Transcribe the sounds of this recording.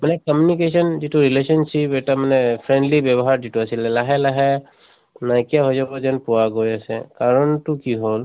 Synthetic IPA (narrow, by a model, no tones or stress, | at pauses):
manɛkɔmjunikesɔnd͡ʒiʈuɾilesɔnsipɛʈamanɛpʰɾẽɳɖlibjɛbɔɦaɾd͡ʒiʈuəsilɛlaɦɛlaɦɛ | najkiaɦozabɔd͡ʒɛnpuwaɡojasɛ̰kaɾɔntukiɦol